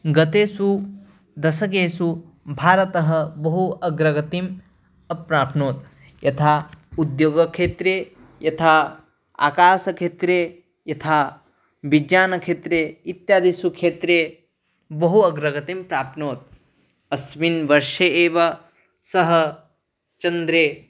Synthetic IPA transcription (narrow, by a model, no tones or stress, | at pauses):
ɡɐt̪eːsu | d̪ɐsɐk̬eːsu | bʱaːɾɐt̪ɐɦɐ̆bɐɦuɐɡɾɐɡɐt̪im | ɐpɾaːpnoːt̪̚ | jɐt̪ʰaːud̪joːɡɐkʃeːt̪ɾeː | jɐt̪ʰaː | a̰ːkaːsɐkʰeːt̪ɾeː | jɐt̪ʰaː | bid͡ʒjaːnɐkʃeːt̪ɾeːit̪jaːd̪isukʰeːt̪ɾeː | bɐɦuɐɡɾɐɡɐt̪impɾaːpnoːt̪̚ | ɐsʋinʋɐɾʃɐeːʋɐ | sɐɦɐ | t͡ʃɐnd̪ɾeː